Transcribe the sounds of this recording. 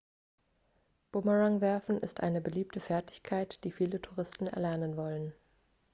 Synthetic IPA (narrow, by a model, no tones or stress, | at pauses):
b̥ʊməʁaŋvɛɐfn̩ʔɪ̰stʔa̰ɪnəbəliːp̚tʰəfɛɐtɪ̥çkʰaɪtd̥iːfiːlətʰuʁ̞ɪstn̩ɛ̰ɐlɛɐnənvɔlən